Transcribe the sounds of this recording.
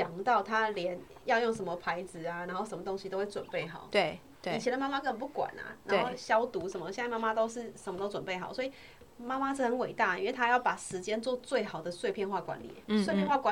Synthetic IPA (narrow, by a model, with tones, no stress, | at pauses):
t͡ɕjɑ˨˩ŋt̪ɑ˥˩ʊt̪ʰa˦ljɛ˧˦n | jɑ˥˧ʊjo˥˩ŋʂə˧˥nmə˧pʰa˧˥ɪd͡zɹ̩˨a˨na˧˥nxo˥˩ʊʂə˧˦nmə˨t̪o˧˥ŋɕi˧to˥ʊwe˥˩t͡swə̰˨˩npe˥˩ɪxɑ̰˨˩˦ʊt̪e˥˩˨ | t͡ɕʰi˧˥d̪ə˧˦ma˥ma˥kə˥˩ə˨˩pu˥˩kwa̰˨˩na̰˨˩na˨˧˦o˥˧ʊɕjɑ˦ʊt̪u˧˥ʂə˨˩nmə˧˦ɕjnt͡sa˥˧ma˥ma˧t̪o˥ʊʂɻ̩˥˩ʂə˨˧nmə˧t̪o˥ʊt͡swə˨˩npe˥˩ɪxɑ˨˩˦swɔ˧˥i˨˩ | ma˥ma˥ɻ̩˥˩xə˧˦nwe˨˩ɪt̪a˥˩i˥nwe˥˩ɪt̪ʰa˥jɑ˥˩ʊpa˨˩ʂɻ̩˧˦t͡ɕjɛ˥nt͡swɔ˥˧t͡swe˥˩ɪxɑ˨˩ʊd̪ə˩swe˥˧ɪpʰjɛ˥˧nxwa˥˩kwa̰˧˦nlḭ˨˩swpʰjɛ˥˧nxwa˥˩kwa˧˦